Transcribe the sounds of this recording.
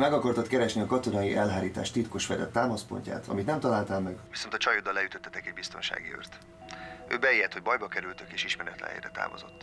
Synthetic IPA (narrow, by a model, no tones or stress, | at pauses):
mɛɡɒkɒrt̪ɒt̪kɛɾɛʃniɒkɒt̪o̞nɒjiʔɛlɦaːɾiːt̪a̰ːʃt̪it̪koʃfɛd̪ɛ̰t̪ːaːmɒspo̞̰ɲca̰ːt̪ɒ̰mit̪nɛmt̪ɒlaːlt̪aːmːɛɡvi̥so̞nt̪ɒt͡ʃɒjod̪ːɒlːɛjyt̪øt̪ːɛt̪ɛkɛɟbist̪o̞nʃa̰ːɡḭø̰rt̪ | ʔøːbɛejɛt̪ho̞ɟbɒjbɒkɛɾylt̪økeːʃiʃmɛɾɛt̪lɛ̰ɦhɛ̰jɾɛt̪a̰ːmo̰zo̞̰t̪ː